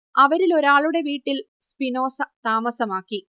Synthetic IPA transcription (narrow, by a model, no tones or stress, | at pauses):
ɐʋɐɾilo̞ɾaːɭuɽe̞ʋiːʈːil | spino̞ːsɐt̪aːmɐsɐmaːkːi